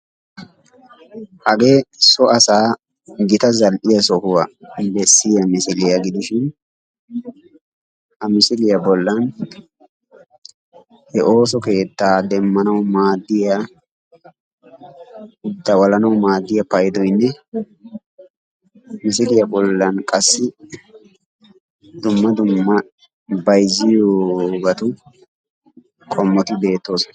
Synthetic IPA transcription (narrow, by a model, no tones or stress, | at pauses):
hɐɡeːsɔʔɐsaː | ɡɪt̪ɐzɐlʔɪjɐsɔhʊwabɛsːɪjɐmɪsɪlɪjɐɡɪd̪ɪʃɪn | hɐmɪsɪlɪjɐbɔlːɐn | hɛʔo̞ːs̬ɔke̞ːt̪ːaːd̪ɛmːɐnɐwmaːd̪ːɪja | ʊd̪ːɐwɐlɐnɐwmaːd̪ːɪjɐpɐjd̪ɔjnːɛ | mɪsɪlɪjɐbɔlːɐnkʼɐsːɪ | d̪ʊmːɐd̪ʊmːɐ | bɐjzːɪjoːɡɐt̪ʊ | kʼɔmːɔt̪ɪbe̞ːt̪ːo̞ːs